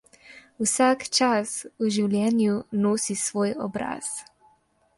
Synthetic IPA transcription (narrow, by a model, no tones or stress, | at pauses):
usaːkt͡ʃasuʒiwljɛːnjunoːsisʋoːjɔ̰bɾa̰s